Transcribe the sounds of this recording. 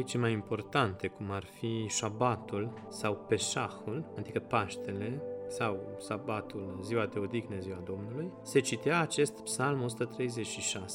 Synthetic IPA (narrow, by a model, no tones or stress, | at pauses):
it͡ʃemajimpo̞rt̪ant̪e̞kumarfiʃabat̪ul | sawpe̞ʃaxuland̪ikəpaʃt̪e̞le̞saw | ʃabat̪ulɨziwat̪eod̪iɡneziwad̪o̞mnulujse̞t͡ʃit̪iaːt͡ʃe̞st̪psalmo̞sut̪ət̪ɾe̞jze̞t͡ʃʃiʃase